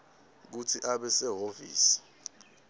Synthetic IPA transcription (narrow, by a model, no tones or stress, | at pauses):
k̬utʰiʔaɓɛsɛɦoviːsi̥